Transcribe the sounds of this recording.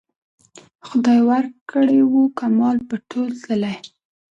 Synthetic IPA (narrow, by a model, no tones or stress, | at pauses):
xʊd̪ɑjwaɾkʰəɽewukamɑlpəʈʰolt̪ləlaj